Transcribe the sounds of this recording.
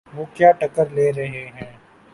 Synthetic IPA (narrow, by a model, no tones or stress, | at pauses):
ʋoːkjaːʈɐkəɾleːɾɐɦeɦɛ̃ː